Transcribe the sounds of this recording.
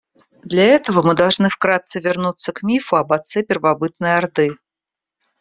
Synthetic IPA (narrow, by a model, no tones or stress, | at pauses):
d̪lʲaɛt̪əvəmɨd̪ɐlˠʐnɨfkɾat̪sɨvʲɪrnut̪sːəkmʲifʊɐbɐt̪sɛpʲɪrvɐbɨt̪nɨjɐrd̪ɨ